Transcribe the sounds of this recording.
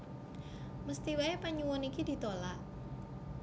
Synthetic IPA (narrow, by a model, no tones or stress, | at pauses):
məst̪iwaepaɲuwɔnikidit̪olaʔ̚